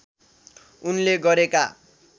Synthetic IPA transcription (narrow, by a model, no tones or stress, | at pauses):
unleɡʌɾeka